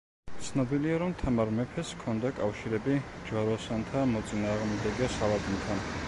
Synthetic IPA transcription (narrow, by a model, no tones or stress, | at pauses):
t̪sʰnɔbiliaɾɔmt̪ʰamaɾmɛpʰɛskʰɔnd̪akʼafʃiɾɛbi | d͡ʒwaɾɔsant̪ʰamɔt̪sʼinaːʁmmnd̪ɛɡɛsalad̪int̪ʰan